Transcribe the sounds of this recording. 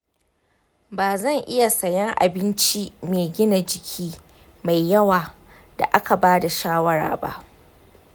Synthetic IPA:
baː˨zɐ˦˨ŋʔɪ˦ja˨sɐ˨jɛ˦ŋʔa̰˨bɪ˦nt͡ʃi˦meː˨ɡʲɪ˦na˨d͡ʒɪ˨kʲʰiː˦ | ma˨jːɐ˦waː˨ | da̰˨ʔa˦ka˨baː˦da˨ʃaː˦wɐ˦ɽa̰ː˨ba̰˦ʔ

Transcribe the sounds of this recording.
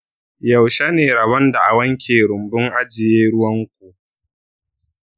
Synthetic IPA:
jɐ˨wʃa˦neː˨ɾɐ˨βɐ˦nda˨ʔa˨wɐ˦ŋkʲʰeː˨ɾʊ˨mbʊ˦ŋʔa˦d͡ʒɪ˨jeː˦ɽʊ˦wɐ˦ŋkʷu˨

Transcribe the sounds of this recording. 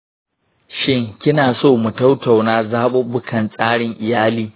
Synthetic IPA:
ʃɪ˦ŋkʲɪ˦naː˨soː˦˨mʊ˨tɐ˦wta˨wnaː˦zaː˦ɓʊ˦bʊ˦kʰɐ˨nsʼaː˦ɽɪ˨ŋʔɪ˨jaː˦liː˦

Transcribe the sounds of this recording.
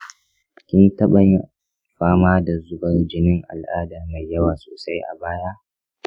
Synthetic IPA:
kʲɪ˦ntɐ˦ɓɐ˨ɲ˨ | ɸaː˦maː˦da˨zʊ˦bɐ˦rd͡ʒɪ˦nɪ˦ŋʔa̰˨lʔaː˦dɐ˨rma˨jjːɐ˦waː˨soː˨sa˦jʔa̰˨baː˦ja˦

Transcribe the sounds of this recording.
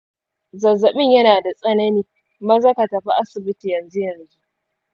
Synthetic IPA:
zɐ˨zɐ˨mɪ˦ɲjɐ˦naː˨da˨sʼɐ˦nɐ˦niː˨ | mɐ˦zɐ˦ka˨tɐ˨ɸa˦ʔa˦sɪ˨bɪ˦ti˨jɐ˨nzu˦jɐ˨nzu˦

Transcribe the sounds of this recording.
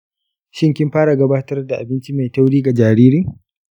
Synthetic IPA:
ʃɪ˦ŋkʲɪ˦mɸaː˦ɽa˨ɡɐ˦baː˦tɐ˦rda˨ʔa˨bɪ˦nt͡ʃi˦ma˨jta˦wɽiː˦ɡa˨d͡ʒaː˨ɾiː˦ɾiː˦

